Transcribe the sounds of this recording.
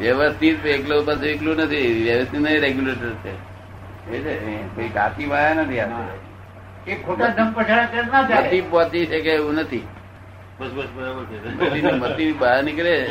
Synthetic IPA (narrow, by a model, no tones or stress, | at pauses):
ʋjəʋəst̪ʰit̪̚eklopaseʋiklũnət̪ʰiʋjəʋəst̪it̪nəɾeɡjuleʈəɾt͡ʃʰḛ | et͡ʃekoika̰t̪ibajanət̪ʰiaeɾ̰ | ekʰubəd̪ʱəmpət͡ʃʰaɽakəɾnaət̪ipɔt͡ʃ̪it͡ʃekeeũnət̪ʰi | bəsbəsbəɾabəɾt͡ʃʰemə̰t̪inimət̪inibaanikəɾe